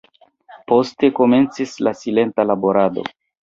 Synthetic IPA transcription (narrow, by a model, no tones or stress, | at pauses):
po̞ste̞ko̞me̞nt͡sislasile̞ntalaboɾado̞̰